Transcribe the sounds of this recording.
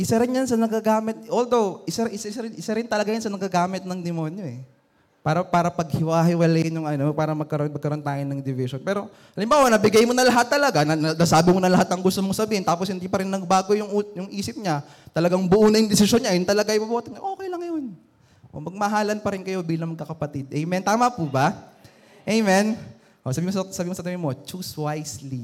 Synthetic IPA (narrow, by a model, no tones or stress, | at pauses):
ʔɪsɐɾɪnjɐnsɐnɐɡɐɡaːmɪt̪̚ʔold̪owʔɪsɐɾʔɪsaʔɪsaɾɪnʔɪsɐɾɪnt̪ɐlɐɡajansɐnɐɡɐɡaːmɪt̪̚nɐŋd̪ɪmoːnjo̞ɛ | paːɾɐpaːɾɐpɐɡ̚hɪwaɦɪwɐlɛjɪnjʊŋʔɐnopaːɾɐmɐɡ̚kɐɾonmɐɡkɐɾo̞nt̪aːjɪnːɐŋd̪ɪvɪʃonpɛːɾo̞ | ʔɐlɪmbaːwɐnɐbɪɡajmonɐlɐɦat̪ːɐlɐɡanɐnɐnasaːbɪmonɐlɐɦat̪nɐŋɡʊst̪omosɐbiːhɪnt̪aːposhɪnd̪ipɐɾɪnːɐɡ̚baːɡojʊŋjʊŋʔiːsɪp̚ɲa | t̪ɐlɐɡaŋbʊʔuːnɐjʊŋd̪ɪsɪʃonɲajʊnt̪ɐlɐɡajibɐboːt̪ɛɲɐʔo̞ːkɛjlɐŋːɐjo̞n | ʔo̰mɐɡ̚mɐɦaːlɐnpɐɾɪnkɐjo̞biːlɐŋmɐɡkːɐkɐpɐt̪ɪd̪ʔɛjmɛnt̪aːmɐpʊba | ʔejmɛn | ʔosɐbiːmossɐbiːmosɐt̪ɐmimot͡ʃuswajsli